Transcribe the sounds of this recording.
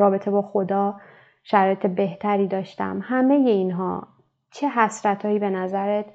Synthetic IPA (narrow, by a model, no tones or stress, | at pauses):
ɒːbe̞t̪ʰe̞bɒːxod̪ɒː | ʃæɾɒːjet̪ʰe̞be̞ht̪ʰæɾiːd̪ɒːʃt̪æ̰mhæme̞je̞inɦɒ̰ː | t͡ʃʰe̞ɦæsɾæt̪ʰɒːiːbe̞næzæɾet̪